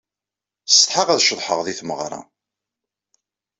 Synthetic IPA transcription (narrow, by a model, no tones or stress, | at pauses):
st̪ˤħaʁæðʃəðˤħə̰ʁðiθməʁɾˤɑ̰